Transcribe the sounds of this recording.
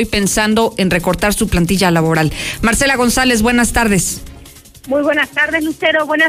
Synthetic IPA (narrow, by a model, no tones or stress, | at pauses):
jpe̞nsand̪o̞ʔe̞nre̞ko̞ɾt̪aɾsuplant̪̬iʝalaβo̞ɾalmaɾselaɣ̞o̞nsale̞zβwe̞nast̪aɾðe̞s | mujβwenast̪aɾðesluseɾoβwena